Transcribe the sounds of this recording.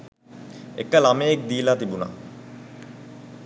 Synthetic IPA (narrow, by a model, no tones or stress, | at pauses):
ḛkːəlamejek̚d̪iːlaːt̪ibuna̰